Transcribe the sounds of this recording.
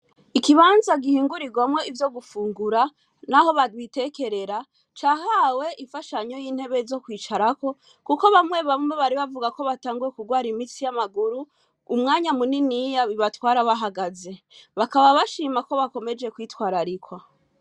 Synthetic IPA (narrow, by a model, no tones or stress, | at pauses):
ikiβaːnzaɡihiːŋɡuɾiɡwamŋe̞ivjo̞ɡufuːŋɡuɾa | naho̞βadwite̞ke̞ɾe̞ɾa | t͡ʃaɦawe̞iɱfaʃaɲo̞jiːn̥he̞βe̞zo̞kwiːt͡ʃaɾako̞ | kukoβamŋe̞βamwe̞βaɾiβavuɡako̞βataːŋɡuɾe̞kuɡwaːɾimit͡sijamaɡuɾuː | mŋaːɲamuninijaβiβatwaːɾaβaɦaɡaze̞βakaβaβaʃiːmako̞βako̞me̞d͡ʒe̞kwiːtwaːɾaɾikwa